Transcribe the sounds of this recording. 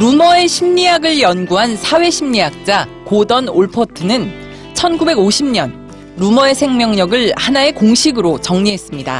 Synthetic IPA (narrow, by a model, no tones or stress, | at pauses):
ɾumʌe̞ɕʰimɲijaɡɯɭjʌnɡuɦansʰawe̞ɕʰimɲijak̚t͡ɕ͈akodʌnoɭpʰʌtʰɯnɯn | t͡ɕʰʌnɡube̞ɡoɕʰimɲʌn | ɾumʌe̞sʰe̞ŋmjʌŋɲʌɡɯɭhanae̞koŋɕʰiɡɯɾot͡ɕʌŋɲiɦe̞s͈ɯmɲida̰